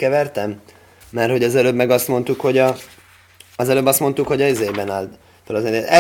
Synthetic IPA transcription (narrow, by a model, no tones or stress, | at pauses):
kɛvɛrt̪ɛmː | ɛrho̞ɟɒzɛløːbmɛɡɒst̪mo̞nt̪ukho̞ɟɒ | ɒzɛløːbːɒst̪mo̞nt̪ukho̞ɟɒizeːjbɛnaːlt̪ | t̪olɒzɛneɛ